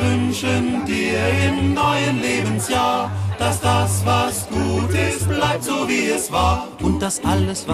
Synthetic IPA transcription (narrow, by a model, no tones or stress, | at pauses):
vʏnʃəndiːɐɐɪmnɔʏənleːbən̩sjaːd̥asd̥asvasɡ̥uːtɪstb̥laɪp̚tz̥oːviːɛsv̥aːɐʔʊnt̚d̥asʔaləsva